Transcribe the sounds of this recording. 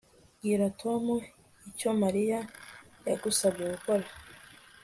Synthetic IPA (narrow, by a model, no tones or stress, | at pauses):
ɡiɾatʰomu | ico̞maɾija | ja̰ɡusabɟeɡuko̞ɾa